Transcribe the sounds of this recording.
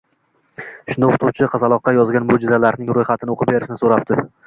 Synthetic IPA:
ʃʊnd̪aoqʰt̪ʰʊwt͡ʃʰɪqʰɑzɑlˠɒqːɑjɒzɡʲanmʊd͡ʒɪzalaɾnɪŋɾojχɑt̪ʰɪnɪoqʰɨp̚beɾɪʃɪnɪsoɾap̚t̪ɪ

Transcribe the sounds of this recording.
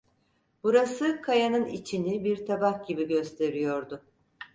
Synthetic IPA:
b̥uɾasɯkʰajanɯnḭt͡ʃʰinibiɾt̪ʰabakɟibiɟø̞st̪ʰe̞ɾijo̞ɾd̪ʊ

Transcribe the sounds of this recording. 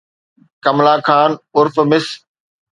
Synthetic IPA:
kɐmlaːkʰaːnʊɾfmɪs

